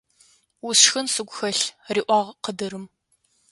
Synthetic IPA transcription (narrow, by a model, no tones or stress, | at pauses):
wʊsxɐnsɨɡʷxɐɬriːʔʷɑːʁqədɨɾɨm